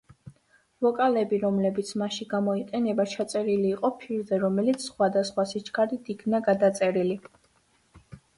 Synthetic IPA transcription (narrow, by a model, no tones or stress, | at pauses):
vɔkʼalɛbiɾɔmlɛbit̪sʰmaʃiɡamɔiqʼɛnɛbat͡ʃʰat̪sʼɛɾiliːqʼɔpʰiɾd̪ɛɾɔmɛlit̪sʰsχwad̪asχwasit͡ʃʰkʰʼaɾit̪ʰikʰnaɡad̪at̪sʼɛɾili